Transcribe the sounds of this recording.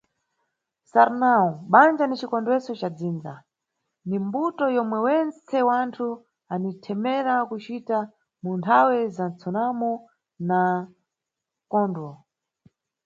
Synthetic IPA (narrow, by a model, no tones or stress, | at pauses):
saɾnaɔɓand͡ʒanit͡ʃikɔndwɛsɔt͡ʃad͡ziːnd͡za̰ | nimbutɔjɔmwɛwɛnt͡sɛwantʰu | anitʰɛmɛɾakut͡ʃita | muntʰawɛzant͡sʰɔnamɔ | na | kɔndwɔ